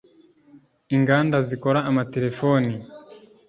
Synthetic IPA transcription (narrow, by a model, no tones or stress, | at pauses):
iŋɡaːndaziko̞ɾaːmate̞ɾe̞foni